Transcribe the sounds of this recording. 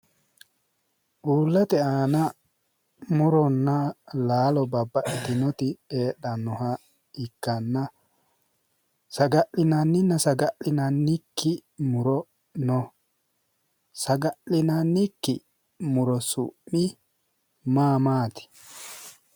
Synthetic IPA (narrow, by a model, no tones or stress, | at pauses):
ʔuːlːɐt̪ɛaːnɐ | mʊɾɔnːɐlaːlɔbɐbːɐʔɪt̪ɪnɔt̪ɪeːɗɐnːɔhɐ | ɪkːɐnːɐ | sɐɡɐʔɪnɐnːɪnːɐsɐɡɐʔɪnɐnːɪkːɪmʊɾɔ | nɔ | sɐɡɐʔɪnɐnːɪkːɪ | mʊɾɔsʊ̰mːɪ | maːmaːt̪ɪ̥